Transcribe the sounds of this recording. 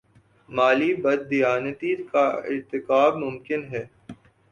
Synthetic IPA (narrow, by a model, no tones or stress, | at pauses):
maːlibɐd̪̚ːijaːnət̪iːkaɪ̰ɾt̪ɪkaːbmʊmkɪnɦɛː